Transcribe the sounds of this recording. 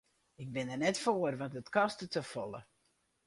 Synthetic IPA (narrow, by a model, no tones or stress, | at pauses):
ɪk̚bɪnərnɛtfoərʋɑntətkɑstətəfɔlˠə̰